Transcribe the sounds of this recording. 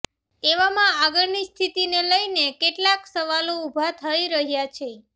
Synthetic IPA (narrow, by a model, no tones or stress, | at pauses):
eʋamãaɡəɾnist̪ʰit̪ineləjnekeʈlaksəʋaloubʱat̪ʰəiɾəɦjat͡ʃʰe